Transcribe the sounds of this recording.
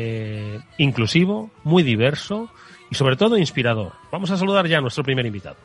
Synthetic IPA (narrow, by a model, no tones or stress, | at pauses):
iŋklusiβ̞omwuijðiβ̞eɾso | iso̞β̞ɾe̞t̪o̞ð̞oinspiɾað̞o̞̰ɾb̥amo̞s̬asaluð̞aɾʝanwest̪ɾo̞pɾimeɾimbit̪a̰ðo